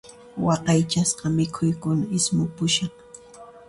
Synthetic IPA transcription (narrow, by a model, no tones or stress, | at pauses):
wɑqɑjt͡ʃasqɑmɪkʰʊjkʊnaɪsmʊpʊʃɑχ